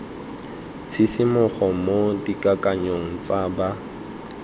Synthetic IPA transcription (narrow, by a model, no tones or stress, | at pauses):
t͡sʰisɪmʊχɔmodikʼakʼaɲoŋ̩t͡sʼaba